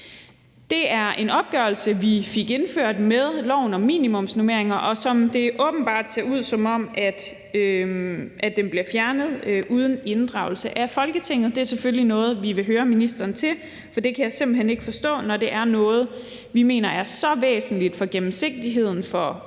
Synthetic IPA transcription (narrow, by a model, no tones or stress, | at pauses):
d̥e̝æɐʔe̝nɒ̽b̥̚ɡ̥ɶɐl̩səʋifiɡ̥e̝nføɐ̰d̥meðˠlɒʊ̰nɒ̽mḭːnimɔ̽m̰snome̝ɐ̰eŋɐʔɒ̽sɒ̽md̥e̝ʔɔ̽ːb̥n̩b̥ɑ̰̈ːd̥seɐuð̰ˠsɒ̽mɒ̽m̰ʔæd̥ | ø | ʔæd̥emb̥liɐfjæɐnəð̞̩ˠʔuːð̞ˠəne̝nd̥ʁɑ̈ʊl̩səʔæfɒ̽lɡ̥ət͡sʰe̝ŋ̰ð̩ˠd̥e̝æɐseføllinɔ̽ːð̞̩ˠʋiʋe̝ɦøːɐminisd̥ɐːnt͡sʰe̝l | fɒ̽d̥e̝kʰæjɑɪse̝mb̥l̩ɦene̝ɡ̥əfɒ̽sd̥ɔ̰̽ːnɒde̝ʔæɐnɔ̽ːð̞̩ˠ | ʋime̝̰ːnɐʔæɐsɒ̽ʋḛːsn̩lid̥fɒ̽ɡ̥emm̩se̝ɡ̥̚d̥iɦe̝ð̰ˠn̩fɒ